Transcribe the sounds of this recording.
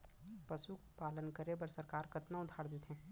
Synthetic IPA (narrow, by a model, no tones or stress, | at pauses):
pɐsukpaːlənkəɾebɐɾsɐɾkaːɾkɐt̪naʊd̪ʱaːɽd̪et̪ɦɛ̃ː